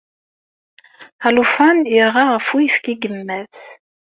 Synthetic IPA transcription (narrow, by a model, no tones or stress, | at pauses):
alufanjiʁaʁəfujəfkiɡəmːæθ